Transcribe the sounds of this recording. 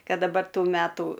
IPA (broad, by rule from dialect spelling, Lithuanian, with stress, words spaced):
ˈkɐt dɐˈbɐr ˈtuː ˈmʲætuː